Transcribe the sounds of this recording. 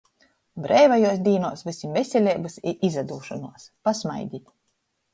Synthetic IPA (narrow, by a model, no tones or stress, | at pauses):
bɾɛjvajuɔs̬d̪iːnuɔsvɨsimvesʲɛlʲɛːbasiʔizad̪uːʃɔnuɔspasma̰jd̪ʲit̪ʲ